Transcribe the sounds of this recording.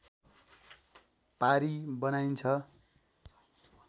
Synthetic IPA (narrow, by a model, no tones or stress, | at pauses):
paɾibʌnajnt͡sʰʌ